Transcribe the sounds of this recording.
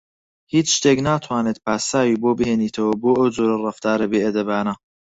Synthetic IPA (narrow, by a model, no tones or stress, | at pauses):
hiːt͡sʃt̪eːknaːt̪ʰwaːneːt̪̚paːsaːjiːboːbɨheːniːt̪ʰɐwɐboːʔɐwd͡zoːɾɐrɐft̪aːɾɐbeːʔɐd̪ɐbaːna